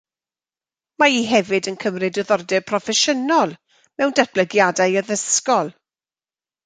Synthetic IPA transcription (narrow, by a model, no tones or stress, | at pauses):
maiɦɛvɪdənkʰəmrɨdɔðɔrdɛpʰrɔfɛʃənɔlˠ | mɛwndat̚b̥ləɡjadajəðəskɔlˠ